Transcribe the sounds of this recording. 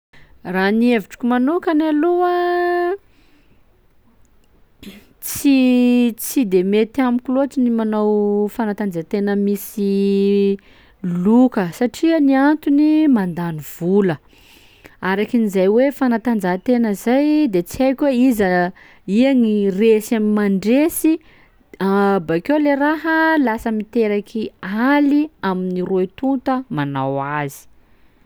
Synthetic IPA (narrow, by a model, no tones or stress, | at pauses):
ranieviʈ͡ʂu̥kʲumanukanalua | t͡sit͡sid̪emet̪iamikʲlot͡sinimanowfanat̪and͡zat̪enəmisi | lukəsaʈ͡ʂianiant̪unimand̪aniv̥ulə | aɾakinizajwefanat̪and͡zat̪enəzajd̪et͡siajkʲweizə | iaŋiresamimaɳɖ͡ʐesi | abakewleraɦəlasəmit̪eɾakʰialiaminiɾoit̪unt̪əmanawazi̥